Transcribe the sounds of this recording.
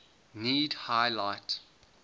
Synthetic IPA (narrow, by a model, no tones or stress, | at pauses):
niːdhajlaɪt